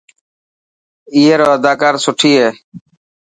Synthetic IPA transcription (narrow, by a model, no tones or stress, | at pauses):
iːɦeːɾoːəd̪aːkaːɾsʊʈʰiːɦeː